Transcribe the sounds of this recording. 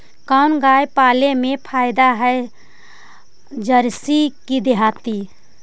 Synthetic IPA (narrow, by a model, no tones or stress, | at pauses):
kanɡajpalemepʰaːɪd̪aɦɛe | d͡ʒəɾsikid̪eɦat̪i